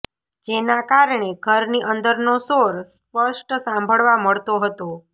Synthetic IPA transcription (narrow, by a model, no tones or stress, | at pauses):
d͡ʒenakaɾɳeɡʱəɾniʔənd̪əɾnosoɾspəʃʈsãmbʱəɭʋaməɭt̪oɦət̪o